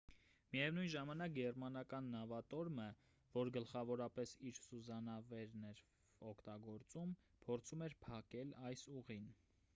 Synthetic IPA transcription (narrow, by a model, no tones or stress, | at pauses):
mijɛvnujnʒɑmɑnɑk̚ɡɛrmɑnɑkɑnːɑvɑt̪ɔɾmə | vɔɾɡəlχɑvɔɾɑpɛsiɾsuzɑnɑvɛɾnɛɾ | ɔkʰt̪ɑɡɔɾt͡sum | pʰɔɾt͡sʰumɛɾpʰɑkɛlɑjsuʁin